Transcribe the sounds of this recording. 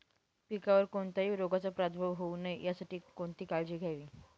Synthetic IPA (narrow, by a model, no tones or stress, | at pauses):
pikaʋəɾkoɳt̪aɦiːɾoɡat͡sapɾat̪ʰbʱəʋɦounəjjasaʈiːkoɳt̪iːkaɭd͡ʑiːɡʱjaʋiː